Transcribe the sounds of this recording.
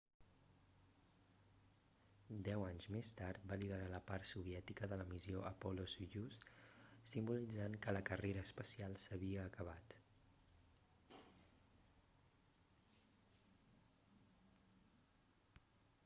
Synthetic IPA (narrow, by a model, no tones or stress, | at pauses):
d̪ɛwaɲzmest̪aɾt̪̚baliðəɾaləpaɾt̪suβ̞iɛt̪ikəðələmizioʔəpɔlozʒussimbulid͡zaŋkələkəreɾəːspəsialˠsəβiəːkəβ̞at̪